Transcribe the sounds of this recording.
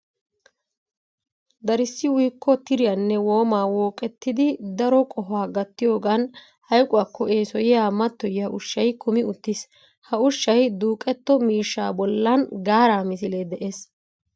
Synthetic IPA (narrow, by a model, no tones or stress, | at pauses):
d̪ɐɾɪsːɪwʊjkːɔt̪ɪɾɪjɐnːɛwo̞ːmaːwoːkʼɛt̪ːɪd̪ɪd̪ɐɾɔkʼɔɦaːɡɐt̪ːɪjo̞ːɡan | hɐjkʼʊwaːkːɔe̞ːsɔjɪjaːmɐt̪ːɔjjɐʔʊʃːɐjkʊmɪʊt̪ːɪs | hɐʊʃːɐjd̪uːkʼɛt̪ːɔmiːʃːa̰ːbɔlːɐnɡaːɾaːmɪs̬ɪleːd̪ɛʔeːs